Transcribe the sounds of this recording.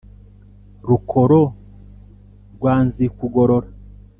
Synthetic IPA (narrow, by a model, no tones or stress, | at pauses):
ɾukʰoɾo | ɾɡwaːnzikuɡoɾoɾa